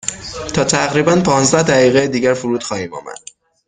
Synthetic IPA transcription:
t̪ʰɒːt̪ʰæɣɾiːbænpʰɒːnzd̪æhd̪æɣiːɣejed̪iːɟæɾfuɾuːd̪̥xɒːhiːmɒ̰ːmæ̰d̪̥̚

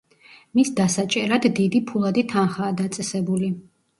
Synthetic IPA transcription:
misd̪asat͡ʃʼɛɾad̪ːid̪ipʰulˠad̪it̪ʰanχaːd̪at̪sʼɛsɛbuli

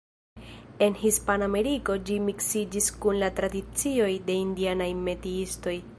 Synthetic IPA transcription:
e̞nhispaname̞ɾiko̞d͡ʒimiksid͡ʒiskunlatɾadit͡sio̞jde̞indianajme̞tiisto̞j

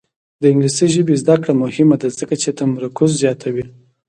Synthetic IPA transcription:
d̪əɪŋɡlisəjʒəbezd̪akɽamʊhɪmad̪azəkat͡ʃet̪amaɾʊkʊzzjɑt̪ʰawi

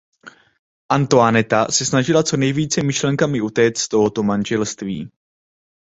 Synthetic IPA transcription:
ʔant̪oanɛt̪asɛsnaʒɪlat͡so̞nɛjviːt͡sɛmɪʃlɛŋkamɪʔut̪ɛːt͡s̪t̪o̞ɦo̞t̪o̞manʒɛlst̪viː

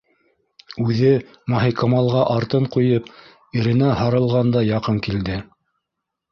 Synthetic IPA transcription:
ʉðɘ | mɑɦijkɑmɑlˠʁɑʔɑɾt̪ɤɴqujɤp | ɘ̆ɾɘ̆næhɑɾɤ̆lˠʁɑnd̪ɑjɑqɤŋkild̪ɘ

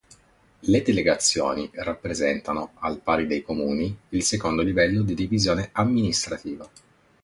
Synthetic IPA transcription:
led̪eleɡat̪sːjo̰ːnirapːɾezɛnt̪anoalpaːɾid̪ejkomuːniilsekond̪olivɛlːod̪id̪ivizjoːneamːinist̪ɾat̪iːva

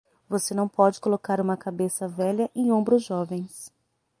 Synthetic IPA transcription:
vosenɐ̃w̃pɔd͡ʒɪkolokaɾũmɐkabesɐvɛʎɐʔẽj̃õmbɾʊzʒɔvẽj̃s

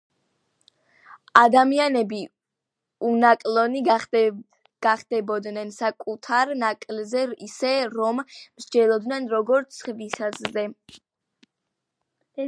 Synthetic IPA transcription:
ad̪amianɛbi | unakʼlɔni | ɡ̥aχd̪̥ɛbɔd̪nɛnsakʼut̪ʰaɾnakʼlzɛisɛɾɔmmʃd͡ʒɛlˠɔd̪nɛnɾɔɡɔɾt̪sʰχvisazzɛ

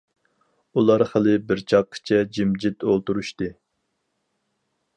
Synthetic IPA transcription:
ulˠɑɾχəlɨbɪɾt͡ʃʰɑqʰːɨ̥t͡ʃʰɛd͡ʒimd͡ʒit̪ʰolˠt̪uɾuʃt̪ɨ

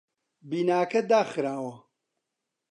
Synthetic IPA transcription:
biːnaːkɐd̪aːxɨɾaːwɐ

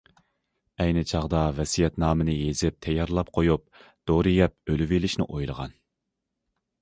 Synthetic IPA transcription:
ɛjnɪt͡ʃʰɑʁd̪ɑvɛsijɛt̪nɑːmɨnɨjezɪp̚t̪ʰɛjːɑɾlˠɑp̚qʰojup̚ | d̪̥oɾɨjɛp̚ølyvilɪʃnɪ̰ʔojlˠə̰ʁɑ̰n

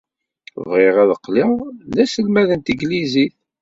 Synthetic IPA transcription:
vʁɪʁæðəqːlɪʁlæsəlmæðənt̪iɡliziθ

